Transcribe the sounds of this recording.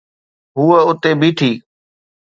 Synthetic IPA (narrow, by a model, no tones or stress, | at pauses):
ɦuːəʊt̪eːbʱiːʈ̪ʰiː